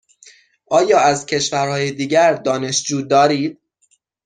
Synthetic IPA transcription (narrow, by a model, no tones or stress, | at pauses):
ʔɒːjɒːæzcʰe̞ʃvæɾhɒːjed̪iːɟæɾd̪ɒːne̞ʃd͡ʒuːd̪ɒːɾiːd̪̥̚